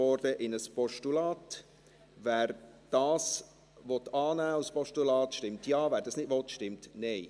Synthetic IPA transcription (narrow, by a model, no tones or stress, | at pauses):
ɔɾdəʔɪnəspɔʃtulɑːt | væːɾ | d̥ɑːs | ʋɔt̪ɑːnæːuspɔʃtulɑːt̪ʃtɪmtjɑːvæːɾd̥ɑsnɪd̥vɔt̪ʃtɪmtnɛɪ